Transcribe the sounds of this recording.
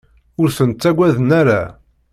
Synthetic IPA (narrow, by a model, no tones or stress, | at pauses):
ʊɾθənt̪ːæɡʷæðənæɾæ